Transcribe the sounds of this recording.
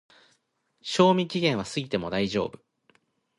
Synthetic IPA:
ɕo̞ːmʲikʲiɡẽ̞ɰ̃β̞asɨɡʲit̪e̞mo̞d̪aiʑo̞̰ːbɯ̟

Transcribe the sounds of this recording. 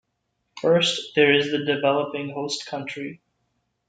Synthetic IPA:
fɜ˞sðə˞ɪzðɨdɨvɛlˠəpɪ̃ŋɦoʊstkʰʌ̃nt͡ʃɹ̥i

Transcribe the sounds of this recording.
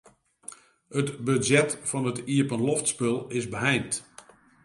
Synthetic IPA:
hətbøzɛtfɔnətiəpənloftspølˠɪzbəɦɛjnt

